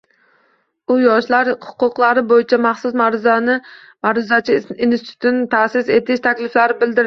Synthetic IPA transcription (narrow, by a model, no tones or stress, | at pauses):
ʊjɒʃlaɾhʊ̥qʊqlˠaɾɪbojɪt͡ʃʰamaχsʊsmɾzanɪ | maɾʊzat͡ʃʰɪinsɪt̪ʰʊ̥t̪ʰɪnɪt̪ʰasɪse̞t̪ʰɪʃt̪ʰakʲlɪflaɾɪbɪld̪ɪɾ